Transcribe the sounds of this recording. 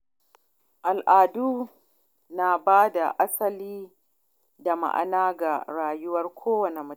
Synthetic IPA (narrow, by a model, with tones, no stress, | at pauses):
ʔa˨lʔaː˨duː˦ | na˨baː˦da˨ʔa˦sɐ˦liː˦ | da˨ma̰˨ʔa̰˦˨naː˦ɡa˨ɾaː˨jʊ˦wɐ˦rkʷʰoː˦wɐ˨ne˨mʊ˦